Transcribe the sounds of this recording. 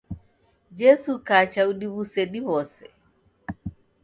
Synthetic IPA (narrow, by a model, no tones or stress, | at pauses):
d͡ʒɛsukat͡ʃauɗiβusɛɗihɔsɛ